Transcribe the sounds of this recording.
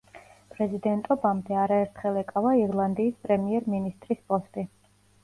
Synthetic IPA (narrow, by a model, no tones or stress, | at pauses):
pʼɾɛzid̪ɛnt̪ʼɔbamd̪ɛaɾaɛɾt̪ʰχɛlˠɛkʼavaiɾlˠand̪iːspʼɾɛmiɛɾminist̪ʼɾispʼɔst̪ʼi